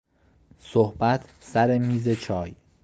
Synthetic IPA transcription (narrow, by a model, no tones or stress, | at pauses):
sohb̥æt̪ʰsæɾemiːze̞t͡ʃʰɒːj